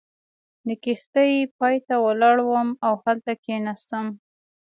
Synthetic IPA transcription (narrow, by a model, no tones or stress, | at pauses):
d̪əkixt̪əjpɑjt̪awalɑɽwəmawhalt̪akenast̪əm